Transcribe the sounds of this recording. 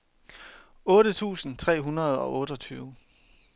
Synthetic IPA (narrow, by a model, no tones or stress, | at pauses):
ɔ̽ːɾət͡sʰṵːsn̩t͡sʰʁɛ̰ːɦunɐð̞ˠɒ̽ʔɔ̽ːɾɒ̽t͡sʰyːʊ